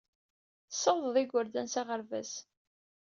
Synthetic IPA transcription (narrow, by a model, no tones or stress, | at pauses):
səðˤðˤiɡʷəɾd̪ænsaʁəɾvæ̰s